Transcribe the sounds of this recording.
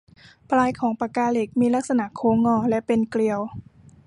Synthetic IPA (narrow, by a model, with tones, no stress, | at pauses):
pʰlaː˧jkʰɔː˩˦ŋpa˧kaː˧le˧˩k̚miː˧la˦˥k̚sa˧na˧˩kʰoː˧ŋɔː˧˩lɛ˦˥ʔpe˨˧nkli˧əw